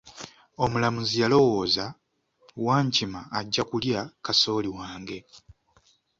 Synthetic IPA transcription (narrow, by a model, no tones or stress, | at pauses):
o̞mulamuzialo̞wo̞ːza | waːɲcimaːɟːakuljakaso̞ːliwaːŋɡe̞